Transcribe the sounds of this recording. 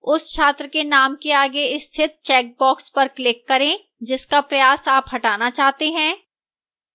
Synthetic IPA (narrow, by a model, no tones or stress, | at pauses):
ʊsʃʰaːt̪ɾəkenaːmkeaːɡeɪst̪ʰɪt̪̚t͡ʃɛːk̚bɔːkspɐɾklɪkːɐɾẽ | d͡ʒɪskapɾɐjaːsaːpɦɐʈaːnat͡ʃaːɦt̪eɦɛ̃ː